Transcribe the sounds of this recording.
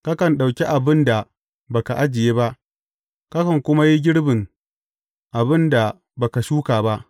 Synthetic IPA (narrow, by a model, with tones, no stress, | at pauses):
ka˦kɐ˨nɗa˨wkʲe˦ʔa˨bɪ˦nda˨ | ba˨ka˨ʔa˦d͡ʒɪ˨jeː˦ba˦ʔ | ka˦kɐ˨ŋkʷʊ˦ma˦ji˦ɡʲɪ˦ɽbɪ˨ŋ | ʔa˨bɪ˦nda˨ | ba˨ka˨ʃuː˦kaː˨ba˦ʔ